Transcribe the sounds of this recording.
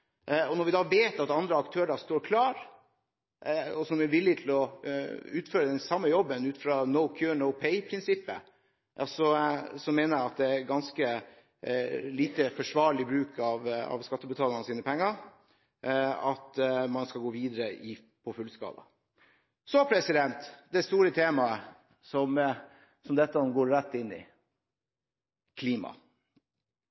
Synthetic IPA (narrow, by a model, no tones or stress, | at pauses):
ɔnɔɾʋɪd̪ɑːʋeːt̪ɑt̪ɑnd̪ɾəɑkt̪ʰøːɾəst̪oːɾkʰlɑːɾ | ɔsɔmɛɾʋɪlːɪt̪ʰɪl̩ɔ | ʉːt̪føːɾəd̪ɛnsɑmːəjɔbːənʉːt̪fɾɑnəʊkʰjøːɳəʊpʰeɪpʰɾɪnsɪpːə̰ | sɔsɔmeːnəɾæɑt̪̚d̪ɛæɾɡɑnskə | liːt̪əfɔʂʋɑːɾɭɪbɾʉːkʰɑʋɑ̰ʋskɑt̪ːəbət̪ʰɑːlɑnəsiːnəpʰɛŋːɑɾ | ɑt̪mɑnskɑɡoːʋiːd̪ɾəɪ | pʰɔfʉlskɑ̰ːd̪ɑ̰ | sɔpʰɾɛsɪd̪ɛnt̪d̪ɛst̪uːɾət̪ʰeːmɑə | sɔm | sɔmd̪ɛt̪ːɑɔmɡoːɾɾæt̪ːɪnːɪ̰ | kʰliːmɑ̰